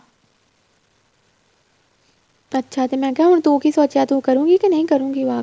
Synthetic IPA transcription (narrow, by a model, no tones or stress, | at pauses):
ɐtːʃʰat̪emɛ̃ːkɛũnt̪ũːkisoːt͡ʃjat̪ũːkɐɾũːɡikinɐɦĩkɐɾũːŋɡiʋaː